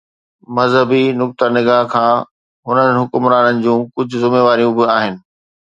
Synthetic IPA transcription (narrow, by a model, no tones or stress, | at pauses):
mɐzɦəbinʊk̚t̪ənɪɡaːɦkʰãː | ɦʊnənɦʊkʊmɾaːnənɪ̆d͡ʑũːkʊd͡ʑʱʊzʊmeːʋaːɾijũbɪaːɦɪnɪ̆